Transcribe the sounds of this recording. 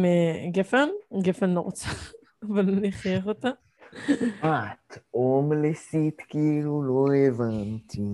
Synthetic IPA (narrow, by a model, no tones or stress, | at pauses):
meɡefenɡefenːoʁt͡saː | valoniχjeχot̪a | at̪omlesit̪kiiluloevant̪ʰi